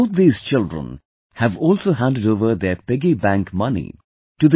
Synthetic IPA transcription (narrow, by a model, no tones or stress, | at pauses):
t̪̚d̪iːz̥t͡ʃɪlɖɹə̰̃n | hæʋɔːlsoːɦæ̃nɖəɖoːʋəɾd̪eːpɪɡibæ̃ŋkmʌnḭ | ʈud̪